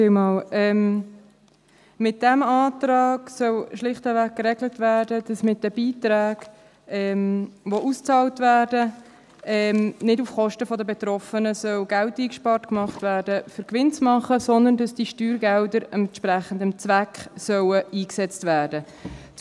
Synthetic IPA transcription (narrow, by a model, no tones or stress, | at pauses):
emɑːlɛm | mɪt̚d̥ɛmɑːtɾɑːɡ̥sœwʃlɪχtəvæk̚kːɾɛɡlətvæːɾdəd̥ɑsmɪt̚dəbiːt̪ɾæːɡ̥ | ɛmvoʔust͡sɑːltvæːɾdə | ɛmnɪdufχɔʃtəfɔdəbɛt̪ɾɔfənəsœlɡæltiːkʃpɑːɾtkmɑχtvæːɾdəfʏɾkʋɪnt͡smɑχəsɔnd̪əndɑsd̥iʃtyːɾɡɛldəɾɛntʃpɾæχən̩dəmt͡svækχsœwəiːksɛt͡stvæːɾdə